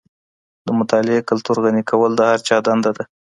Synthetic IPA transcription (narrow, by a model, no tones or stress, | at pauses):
d̪əmʊt̪ɑlɪekalt̪uɾɣanikʰawəld̪əhaɾt͡ʃɑd̪and̪ad̪a